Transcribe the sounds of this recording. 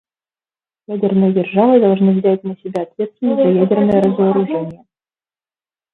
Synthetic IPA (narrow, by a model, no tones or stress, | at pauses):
jædʲɪrnɨjədʲɪrʐavɨd̪ɐlˠʐnɨvzʲætʲnəsʲɪbʲaɐt̪vʲe̞t̪st̪vʲɪnəsʲt̪ʲzɐjædʲɪrnəjəɾəzəəɾʊʐɛnʲɪjə